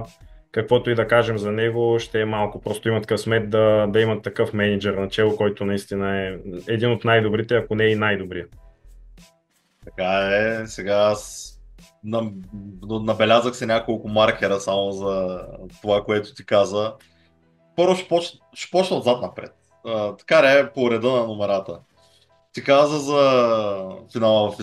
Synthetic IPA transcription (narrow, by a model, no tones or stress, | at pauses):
kɐkvɔt̪oid̪ɐkaʒɛmzɐnɛɡoʃt̪ɛːmalˠkʊpɾɔst̪oimɐt̪ɐ̥kəfsmɛt̪̚d̪ɐd̪ɐimɐt̪ːɐkɤfmɛnid͡ʒɛɾnɐt͡ʃɛlˠokɔjt̪onɐist̪inəɛɛd̪inot̪najd̪obɾit̪ɛɐkonɛinajd̪obɾijə | t̪ɐkaɛsɛɡaas | nɐnnɐbɛlʲazəxsɛnʲakolˠkʊmaɾk̟ʲɛɾəsamozɐt̪ovakoɛt̪ʊ̥t̪ikazə | pɤɾvʊʃɛ̥pɔt͡ʃ | ʃɛ̥pɔt͡ʃnɐzat̪nɐpɾɛ̰t̪̚ | ət̪ɐ̥kaɾɛpoɾɛd̪ɤnɐnomɛɾat̪ə | t̪ikazəzɐ | finalˠəvɐfi